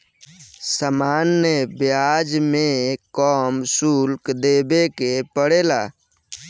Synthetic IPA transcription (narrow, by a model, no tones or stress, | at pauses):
səmanːəbjad͡ʒmekɔmsulkd̪ebekepəɽela̰ː